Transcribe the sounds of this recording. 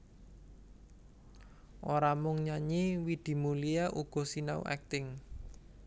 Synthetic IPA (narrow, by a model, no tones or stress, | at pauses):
ʔoɾamʊŋɲaɲiwid̪̥i̤mulijaʔuɡ̥ɔ̤sinaw̰ʔɛ̰k̚t̪ɪŋ